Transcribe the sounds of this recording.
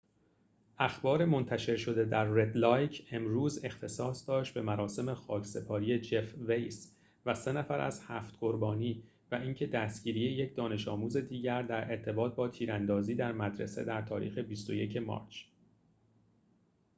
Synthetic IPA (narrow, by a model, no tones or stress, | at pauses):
ʔæxbɒːɾe̞mo̞nt̪ʰæʃe̞ɾʃo̞d̪e̞d̪æɾːe̞d̪lɒːjcʰe̞mɾuːze̞xt̪ʰe̞sɒːsd̪̥ɒːʃt̪̚be̞mæɾɒːse̞me̞xɒːcʰse̞pʰɒːɾije̞d͡ʒefvejs | væse̞næfæɾæ̰z̥hæːft̪ɢo̞ɾbɒːniː | væʔiːŋcʰe̞d̪æst̪ɟ̥iːɾije̞je̞cʰd̪ɒːne̞ʃɒːmuːze̞d̪iːɟæɾd̪æɾʔe̞ɾt̪ʰe̞bɒːt̪̚bɒːt̪ʰiːɾænd̪ɒːziːd̪æɾmæd̪ɾḛsḛd̪æɾt̪ʰɒ̰ːɾḭːxe̞bist̪o̞je̞cʰe̞mɒ̰ːɾt͡ʃʰ